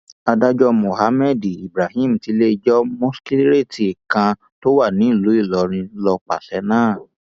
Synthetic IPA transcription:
a˧da˦d͡ʒɔ˦mo˨ha˧˦mɛ˦˨di˨i˨bɾa˨hĩ˦˨m̩˨ti˨˦le˦i˧d͡ʒɔ˦mõ˦ski˦ɾe˦˨ti˨kã˧ | to˦wa˦˨nĩ˨˦˨lo˨˦i˦˨lɔ˨˦ɾ̃ĩ˧˦lɔ˧k͡pa̰˨ʃɛ˨˦nãː˦˨

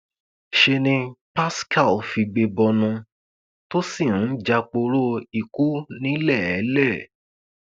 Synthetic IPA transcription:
ʃe˧nĩ˧pa˦ska˦˨lfi˧ɡ͡be˧bɔ˧nũ˧ | to˦si˦˨ñ̩˨˦d͡ʒa˧k͡po˧ɾo˦i˨ku˦nĩ˦lɛ˦˨ɛ˨˦lɛ˦˨

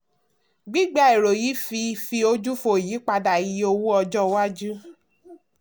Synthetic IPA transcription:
ɡ͡bi˦ɡ͡ba˧˨i˨ɾo˨ji˨˦fi˧fi˧o˧d͡ʒu˦fo˧˨ji˨˦k͡pa˧da˨ji˧˦o˧wu˦ɔ˧d͡ʒɔ˦wa˦d͡ʒu˦

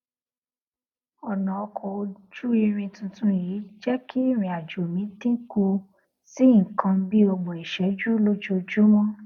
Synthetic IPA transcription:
ɔ˨nã˨ɔ˧kʰɔ˨o˧d͡ʒu˦i˧ɾ̃ĩ˧tũ˧tũ˦ji˨˦d͡ʒɛ˦kʰi˦˨ɾ̃ĩ˨a˨d͡ʒo˨mĩ˨˦tĩ˦ku˧ | si˦ŋ̩˨kʰã˧˦bi˦o˧ɡ͡bo˨i˨ʃɛ˨˦d͡ʒu˦lo˦d͡ʒo˦d͡ʒu˦mɔ̃˦

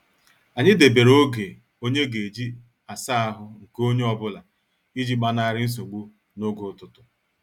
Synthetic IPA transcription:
a˨ɲɪ˦de˨be˨ɾo˦ɡe˨ | o˦ɲe˦ɡe˨d͡ʒi˦ | a˨sa˦a˦ɦʊ˨ŋ̩˨ko˦ɲe˦ɔ˨bʊ˦la˨ | i˦d͡ʒi˦ɡ͡ba˦na˦˨ɾɪ˦n̩˦s̬o˨ɡ͡bu˦ | no˦ɡo˨˦tʊ˨tʊ˨

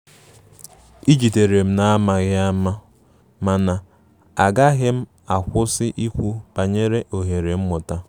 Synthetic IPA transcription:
i˦d͡ʒi˨te˨ɾe˨m̩˦na˦a˦ma˨ɣɪ˦a˦ma˦ | ma˨na˨ | a˨ɡa˦ɣɪ˦m̩˦ | a˨kʷʊ˦sɪ˦ʔi˦kʷu˦pa˨ɲe˦ɾe˦ʔo˨ɦe˨ɾe˨m̩˦mʊ˨ta˦

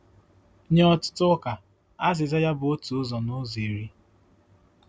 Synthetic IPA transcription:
ɲe˦ɔ˦tʊ̥˦tʊ˦ka˨ | a˦zɪ˨za˦ja˦bʊ˨o˦tu˨˦zɔ˨nʊ˦ze˨ɾi˦

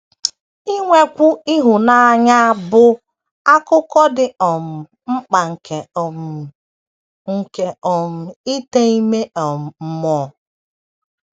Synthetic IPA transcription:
i˦ŋʷe˦kʷʊ˦i˦ɦʊ˨na˦a˦ɲa˦a˦bʊ˦ | a˦kʊ˦kɔ˦dɪ˦ɔ˨m̩˨ | m̩˦k͡pa˨ŋ̩˨kʰe˨ɔ˨m˨ | ŋ̩˨ke˨ɔ˨m̩˨i˦te˦i˦me˦ʔɔ˨m̩˨˦mɔ˨

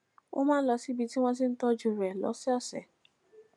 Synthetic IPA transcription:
o̰˦mãː˦lɔ˧si˨˦bi˧ti˦w̃ɔ̃˦s̬i˧n̩˦tɔ˧d͡ʒũ˧˨ɾɛ˨lɔ̰˨˦sɛ˦ɔ˦˨sɛ̰˨

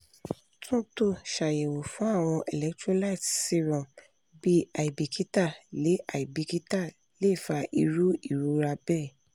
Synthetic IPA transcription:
tʰũ˦to˦˨ʃa˨je˨wo˨fũ˨˦a˦˨w̃ɔ̃˧ʔɛ˨lɛ˨˦ktɾɔ̃˦la˦i˦˨tsi˧ɾɔ̃˨ | bi˦a˨i˨bi˨kʰi˨˦ta˦˨le˨˦ʔa˨i˨bi˧ki˦ta˦˨ | le˦˨fa˧ʔi˧ɾu˦i˦˨ɾu˦ɾa˧bɛ˦˨

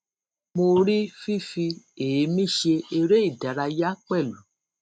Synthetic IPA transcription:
mo˧ɾi˦fi˦fi˧e˨˦mĩ˦˨ʃe˧e˧ɾe˦i˦˨da˨ɾa˧ja˦k͡pɛ˦˨lu˨

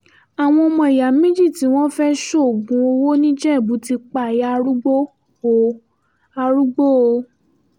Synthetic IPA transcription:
a˨w̃ɔ̃˧ɔ˧mɔ̃˧i˨ja˨˦mẽ˦d͡ʒi˦˨ti˨˦w̃ɔ̃˦fɛ˦ʃo˦˨ɡũ˨˦o˧wo˦nĩ˦d͡ʒɛ˦˨bu˨˦ti˧k͡pa˦˨ja˨˦˧ɾu˦ɡ͡bo˦ | o˨ | a˧ɾu˦ɡ͡bo˦o˧

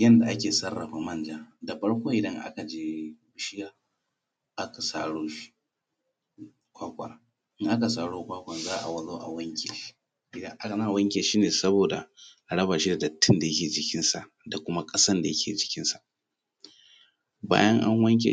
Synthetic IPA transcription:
jɐ˦nda˨ʔa˦kʲeː˨sɐ˦rːɐ˨ɸa˨mɐ˦nd͡ʒaː˦da˨ɸɐ˦ɽkʷoː˦ʔɪ˨dɐ˦ŋʔa̰˦ka˨d͡ʒeː˦bʊ˨ʃɪ˦jaː˦ | ʔa˦ka˨saː˦˨ɽoː˦ | kʷaː˦kʷʼɐ̰˨n | ʔɪ˦ŋʔa˦ka˨saː˦ɽoː˦kʷaː˦kʷɐ˨nzaː˦ʔa̰˨wɐ˨loː˦ʔa̰˨wɐ˦ŋkʲḛ˨˦ | ʔɪ˨dɐ˦ŋʔa˦ka˨na˦˨wɐ˦ŋkʲe˨ʃiː˦neː˨sɐ˦boː˨da̰˨ʔa˨ɽɐ˦baː˨ʃi˦da˨dɐ˨tʰːɪ˦nda˨jɐ˦kʲeː˨d͡ʒɪ˨kʲɪ˦nsa˨ʔ | da˨kʷʊ˦ma˦kʼɐ˦sɐ˦nda˨jɐ˦kʲʰeː˨d͡ʒɪ̥˦kʲɪ˦nsa˨ʔ | ba̰ː˦jɐ˦ŋʔa̰˦ŋwɐ˦ŋk̬ʲḛ˨

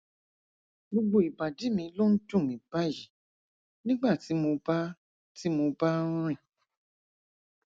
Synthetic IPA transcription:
ɡ͡bo˧ɡ͡bo˦˨i˨ba˨di˨˦mĩ˧lo˦n̩˦tũ˦˨mĩ˨ba˦ji˨ | nĩ˦ɡ͡ba˦˨ti˨˦mo˧ba˦ | ti˦mo˧bã˦ɾ̃ĩ˦˨

